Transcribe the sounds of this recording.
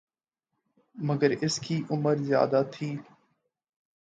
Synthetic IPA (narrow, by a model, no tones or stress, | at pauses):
məɡəɾɪskiːʔʊməɾzja̰ːd̪aːt̪ʰiː